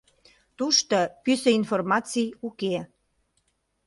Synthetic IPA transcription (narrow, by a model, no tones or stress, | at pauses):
t̪uʃt̪opysəinformɑt͡sijuke